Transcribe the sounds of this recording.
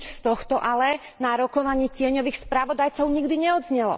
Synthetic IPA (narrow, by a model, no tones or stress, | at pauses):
t͡ʃst̪ɔxt̪ɔʔalɛ | naɾɔkɔʋaɲɪɛcɪɛɲɔʋiːxspɾaʋɔd̪ajt͡sɔʊɲiɡd̪iɲɛɔd̪zɲɛlɔ̰